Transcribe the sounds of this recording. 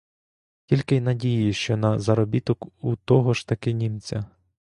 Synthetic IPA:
tʲilʲkɪjnɐdʲijiʃt͡ʃɔnɐzɐɾɔbʲit̪ɔkut̪ɔɦɔʃt̪ɐkɪnʲimt͡sʲɐ

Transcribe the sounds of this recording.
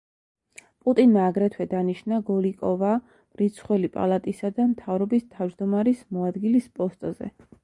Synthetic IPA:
pʼut̪ʼinmaːɡɾɛt̪ʰwɛd̪aniʃnaɡɔlikʼɔva | mɾit̪sʰχwɛlipʼa̰lˠat̪ʼisad̪amt̪ʰavɾɔbist̪ʰavd͡ʒd̪ɔmaɾismɔad̪ɡilispʼɔst̪ʼzɛ̰

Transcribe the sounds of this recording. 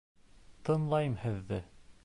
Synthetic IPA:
t̪ɤ̆nlˠɑjɤmhɘ̆ðːɘ

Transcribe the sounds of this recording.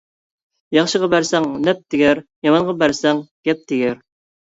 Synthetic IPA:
jɑχʃəʁɑbæɾsɛŋnɛp̚d̪ɪɡʲæɾjɑmɑɴʁɑbæɾsɛŋɡ̥ʲɛp̚d̪ʰɪɡʲæɾ

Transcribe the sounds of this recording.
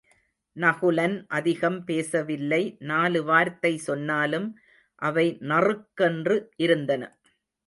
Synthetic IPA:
nɐɣɯlɐnʔɐðɪɣɐmpeːsɐʋɪlːɐɪnaːlɯʋaːɾt̪ɐɪsɔnːaːlɯm | ʔɐʋɐɪnɐrɯkːɛndrɯʔɪɾɯnd̪ɐnɐ̰

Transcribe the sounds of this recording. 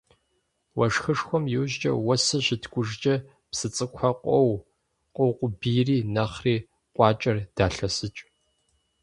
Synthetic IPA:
wɐʂxɨʂxʷɔmjɪwʑt͡ʃʼɐ̰wɐsɨʑɪtʰɡʷʼʊʒd͡ʒʼɐ | psɨt͡sʼɨkʷʰɐqʷʼɔw | qʼɔwqʷʊbiːriːnɐχriː | qʷʼɑːt͡ʃʼɐrd̥aːɬɐsɨt͡ʃʼ

